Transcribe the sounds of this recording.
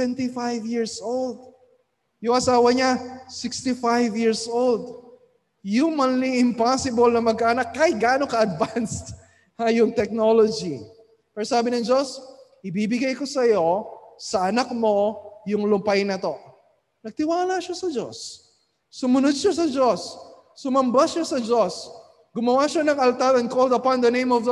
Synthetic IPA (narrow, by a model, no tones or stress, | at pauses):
ɛnt̪ifajvjiɹsʔold̪̚ | jʊŋɐsaːwɐɲasɪkst̪ifajvjiɹsʔold̪ | jumɐnliɪmpasɪbɐlnɐmɐɡ̚kaʔɐnakːɐjɡaːnokɐʔɐd̪vanst̪ | hajʊŋt̪ɛk̚nolod͡ʒi | pɛːɾosaːbɪnɐŋd͡ʒo̞sʔɪbibɪɡajko̞sɐjo̞sɐʔɐnak̚mo̞jʊŋlʊmpajnɐt̪o̞ | nɐɡ̚t̪ɪwaːlaʃasɐd͡ʒo̰sː | ʊmʊnod̪̚ʃas̬ɐd͡ʒosː | ʊmɐmbaʃasɐd͡ʒos | ɡʊmɐwaʃanɐŋɐlt̪aɾɐn̚kold̪ɐpand̪ɐnẽj̃mɔv